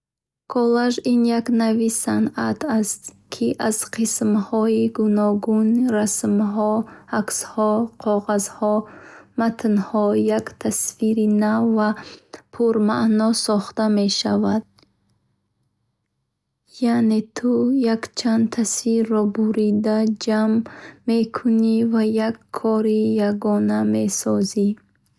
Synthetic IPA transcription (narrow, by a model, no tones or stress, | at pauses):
kʰɔlaʒinjaknavisanat̪ʰast̪ | kʰiʔaz̥qʰismhɔiɡunɔɡunɾasmɦɔakshɔqʰɔʁazhɔmat̪ʰnhɔjakt̪ʰasfiɾinavːapʰuɾmaʔnɔsɔχt̪ame̞ʃavad̪̥̚ | jane̞t̪ʰujakt͡ʃʰand̪t̪ʰasiɾːɔbuɾid̪ad͡ʒamːe̞kʰunivajakʰːɔɾijaɡɔname̞sɔzi